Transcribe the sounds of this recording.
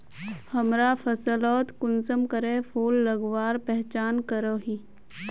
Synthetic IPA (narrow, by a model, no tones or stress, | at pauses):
hɐmɾafʰɐsəlɔːt̪kʊnsəmkəɾẽfʰoːlːəɡʋaːɾpɛɦt͡ʃaːnkəɾoːɦi